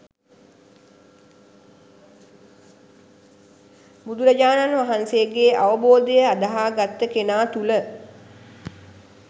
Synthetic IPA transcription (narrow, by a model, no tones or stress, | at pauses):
bud̪uɾəd͡ʒaːnanʋaɦanseəɡeːaʋəboːd̪əjəad̪əɦaːɡat̪ːəkenaːt̪ulə